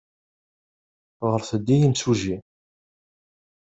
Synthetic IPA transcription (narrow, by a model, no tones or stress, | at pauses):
ʁəɾθəd̪ːijimsuʒi